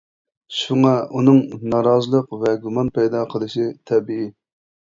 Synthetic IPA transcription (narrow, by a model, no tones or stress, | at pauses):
ʃuŋɑunɨŋnɑɾɑzəlˠəqvɛɡumɑnpɛjd̪ɑqʰəlˠɨʃit̪ʰɛbɪi